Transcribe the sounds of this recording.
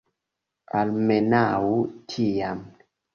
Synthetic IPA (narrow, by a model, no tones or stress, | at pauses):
almɛnawutʰijam